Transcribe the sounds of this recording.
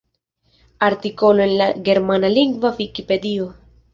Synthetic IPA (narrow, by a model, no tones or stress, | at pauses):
aɾt̪ikoloenlaɡe̞ɾmanaliŋɡvavikipe̞d̪io